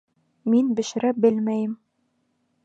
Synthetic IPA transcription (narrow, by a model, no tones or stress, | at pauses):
minbɘ̆ʃɘ̆ɾæp̚bɘlmæjɘm